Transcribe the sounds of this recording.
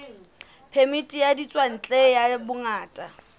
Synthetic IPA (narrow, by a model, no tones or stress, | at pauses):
pʰemitʼijadit͡sʼwan̩t͡ɬʼejabʊŋaːtʼa